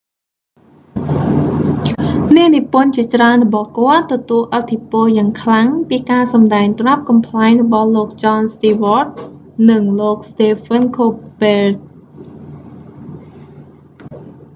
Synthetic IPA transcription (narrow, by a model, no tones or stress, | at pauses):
niənipʊ̆ənt͡ɕiət͡ɕraənrɔɓɑhkŏət̪ːɔt̪uəlʔət̪ʰːipʊəljaːŋkʰlaŋpiːkaːsɑmɗaɛŋt̪rap̚kɑmpʰlaɛŋrɔɓɑhloːk̚t͡ɕɑːnst̪iːʋɔrt̪̚ | nɨŋloːk̚st̪eːpʰənkʰop̚ːel̚